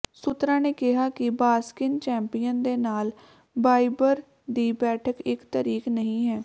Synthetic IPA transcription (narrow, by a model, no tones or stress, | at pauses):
sʊt̪ɾãːneːkɪɦaːkɪbaːskɪnt͡ʃɛ̃ːmpijə̃nd̪eːnaːl | baːibəɾ | d̪iːbɛːʈʰəkɪkt̪əɾiːknəɦĩːɦɛː